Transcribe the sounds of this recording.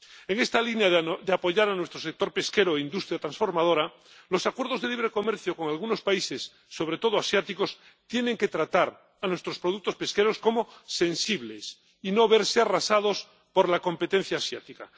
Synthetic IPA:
eŋe̞st̪alinjad̪eapo̞ʝaɾanwe̞st̪ɾosek̚t̪o̞ɾpe̞ske̞ɾoeind̪ust̪ɾjat̪ɾãnsfo̞ɾmað̞o̞ɾa | lo̞sakwe̞ɾð̞ozðeliβ̞ɾe̞ko̞meɾθjoko̞ŋalɣuno̞spaise̞sːo̞β̞ɾet̪o̞ð̞oasjat̪iko̞s | t̪je̞nẽ̞ŋke̞t̪ɾat̪aɾ | anwe̞st̪ɾospɾo̞ðuk̚t̪ospe̞ske̞ɾo̞skomo̞se̞nsiβles | ino̞βeɾsearasaðo̞s | po̞ɾlako̞mpe̞t̪en̟θjaːsjat̪ika

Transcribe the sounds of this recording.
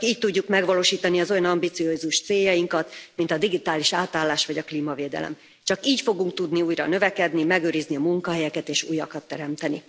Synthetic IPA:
kiːc̚t̪uɟːukmɛɡʋɒloːʃiːt̪ɒniɒzo̞jɒnɒmbit̪sioːzuʃt̪seːjːɒjiŋkɒt̪mint̪ɒd̪iɡit̪aːliʃaːt̪aːlːaːʃʋɒɟɒkliːmɒveːd̪ɛ̰lɛ̰m | t͡ʃɒkiːcfo̞ɡuŋk̚t̪ud̪niuːjɾɒ̰nø̞vɛkɛd̪nimɛɡøːɾizniɒmuŋkɒɦɛjɛkɛt̪eːʃṵːjɒkɒt̪ːɛɾɛmt̪ɛni

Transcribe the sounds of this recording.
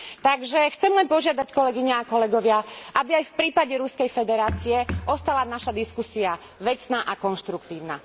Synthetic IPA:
t̪aɡʒɛxt͡sɛmlɛnpɔʒɪad̪ackɔlɛɡiɲɛakɔlɛɡɔʋɪaʔabiajfpɾiːpaɟɛɾuskɛjfɛd̪ɛɾaːt͡siɛɔst̪alanaʃad̪iskusia | ʋɛt͡snaʔakɔnʃt̪ɾukt̪iːʊna

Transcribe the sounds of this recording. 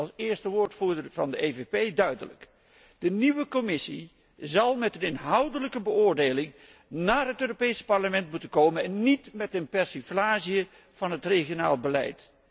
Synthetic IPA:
ɑlˠsɪːɹstəʋʊːɹtfuːɹdəvɑndəʔevepejdœɥdə̰lə̰k | d̥əniʋəkomɪsi | zɑlˠmɛtənɪnɦʌwdələkəbəʊːɹdejlɪŋ | naːɹɦətøːropejsə̥pɑɹləmɛntmutənkowmənɛnːitmɛtənpɛɹsiflaːzijə | v̥ɑnɦətreχiona̰ːlˠbəlɛ̰jt

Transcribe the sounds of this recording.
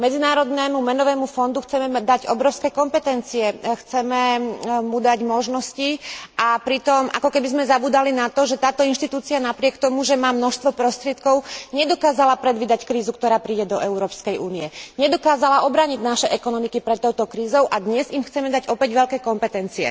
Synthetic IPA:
mɛd͡zinaːɾɔd̪nɛmumɛnɔʋɛːmufɔnd̪uxt͡sɛmɛd̪aɟɔbɾɔʊskɛkɔmpɛt̪ɛnt͡siɛxt͡sɛmɛmud̪aɟmɔʒnɔsciʔapɾit̪ɔmʔa̰kɔkɛbizmɛzabuːd̪alinat̪ɔʒɛt̪aːt̪ɔinʃt̪it̪uːt͡sianapɾɪɛkt̪ɔmuʒɛmaːmnɔʃst̪ʋɔpɾɔst̪ɾɪɛt̪kɔʊɲɛd̪ɔkaːzalapɾɛd̪ʋiːd̪ackɾiːzukt̪ɔɾaːpɾiːɟɛd̪ɔʔɛʊɾɔːpskɛjʔuːniɛɲɛd̪ɔkaːzalaʔɔbɾaːɲiɟnaʃɛʔɛkɔnɔmikipɾɛt̪ːɔʊt̪ɔkɾiːzɔʊʔad̪ɲɛzimxt͡sɛmɛd̪aɟɔpɛɟʋɛʎkɛːkɔmpɛt̪ɛnt͡siɛ̰

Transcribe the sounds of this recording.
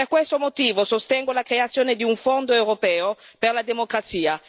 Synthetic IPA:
erkwest̪omot̪iːvosost̪ɛŋɡolakɾeat̪sːjoːned̪iuɱfond̪oewɾopɛːoperlad̪emokɾat̪siːa

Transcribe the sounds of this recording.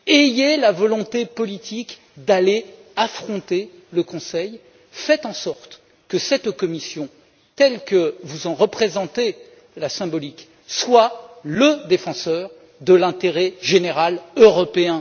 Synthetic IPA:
ejelavɔlɔ̃t̪epɔlit̪ʰik | d̪aleafχɔ̃t̪e | ləkɔ̃sɛj | fɛt̪ɑ̃sɔʁt̪ | kəsɛt̪kɔmisjɔ̃ | t̪ɛlkəvuzɑ̃ʁəpχezɑ̃t̪e | lasɛ̃bɔlik | swaləd̪efɑ̃sœʁ | d̪əlɛ̃t̪eʁɛʒeneʁaløʁɔpeɛ̃

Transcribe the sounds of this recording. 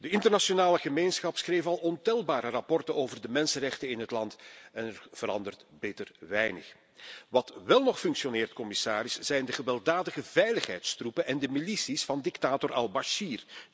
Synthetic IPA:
dəɪntərnaʃonaːləɣəmeːnsxɑpsχreːfɑlˠɔntɛlˠbaːɾərɑpɔrtənoːvərdəmɛnsənrɛxtənɪnɦətlɑntɛnɛrv̥əɾɑ̰ndərtbeːtərʋɛjnə̰x | ʋɑtʋɛlˠnɔxfɵŋksjonɪːrtkɔmɪsaːɾɪsz̥ɛjndəɣəʋɛlˠdaːdəɣəvɛjləxɦɛ̰jtstrupənʔɛndəmilisisfɑndɪktaːtɔrʔɑlˠbaʃiːr

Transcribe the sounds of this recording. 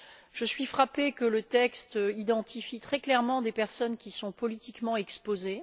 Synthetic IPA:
ʒ̥əsɥifχapekələt̪ɛkst̪id̪ɑ̃t̪ʰifit̪χɛklɛʁmɑ̃d̪epɛʁsɔnkʲisɔ̃pɔlit̪ikmɑ̃ɛkspoze

